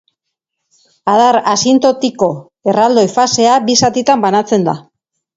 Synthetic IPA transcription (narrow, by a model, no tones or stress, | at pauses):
að̞aɾasint̪o̞t̪iko̞ | erald̪o̞jfase̞abisat̪it̪ambanat͡se̞nd̪a̰